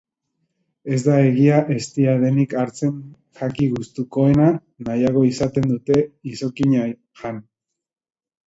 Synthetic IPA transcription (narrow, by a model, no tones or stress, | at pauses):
e̞zd̪ae̞ɣiaʔe̞st̪iaðe̞nikaɾt͡se̞ŋ | ʝakiɣust̪uko̞e̞na | najaɣo̞isat̪e̞nd̪ut̪e̞iso̞kiɲa | ʝan